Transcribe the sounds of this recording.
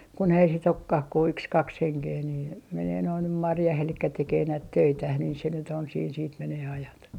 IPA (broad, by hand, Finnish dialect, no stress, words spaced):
kun ei sit okːɑh ku yks kɑks heŋkeː niː meneː noi nym mɑrjɑh elikːæ tekeː næit tøitæh niː se nyt on siːn siːt meneː ɑjɑt